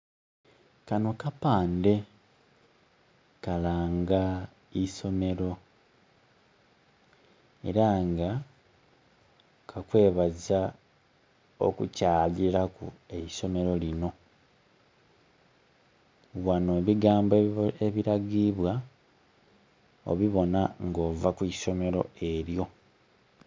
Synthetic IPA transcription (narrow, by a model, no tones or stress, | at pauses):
kano̞kapaːnde̞ | kalaːŋɡa | iso̞me̞ɾo̞ | e̞ɾaŋɡa | kʰakwe̞ːβaza | o̰kucaːliɾakṵe̞iso̞me̞ɾo̞lino̞ | wano̞βiɡaːmbeβiɾaɡiβwa | o̰βiβo̞naŋɡo̞ːvakwiso̞me̞ɾo̞̰e̞ɾjo̞